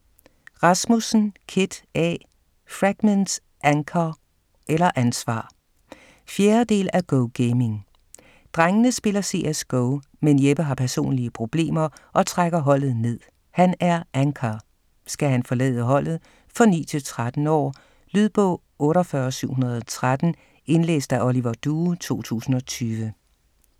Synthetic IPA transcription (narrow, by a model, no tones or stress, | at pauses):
ʁɑ̈smusn̩kʰe̝d̥ɛ̰ | fʁaɡ̥mens | ʔæŋkʰɐ | ʔelɐʔænsʋɑ̰̈ː | fjeːɐd̥e̝̰ːlæɡ̥ɔʊɡ̥eɪme̝ŋ | d̥ʁaŋənəsb̥e̝lɐse̝̰ːesɡ̥ɔʊ | menjeb̥əɦɑ̈pʰæɐso̝̰ːnliəpʰʁo̝b̥le̝̰ːmɐʔɒ̽t͡sʰʁaɡ̥ɐɦɒ̽l̰ð̞̩ˠne̝ð̰ˠ | hænæɐʔæŋkʰɐ | sɡ̥æɦænfɒ̽lɛ̰ːðˠəɦɒ̽l̰ð̩ˠ | fʁɒ̽nḭːt͡sʰe̝lt͡sʰʁad̥n̩ɒ̰ː | lyðˠb̥ɔ̰̽ | ɔ̽ːɾɒfɶːɐsyʊ̰ɦunɐð̞ˠɒ̽t͡sʰʁad̥n̩ | e̝nlḛːsd̥æʔɒliʋɐd̥uːt͡sʰo̝̰ːt͡sʰṵːsn̩ɒ̽t͡sʰyːʋə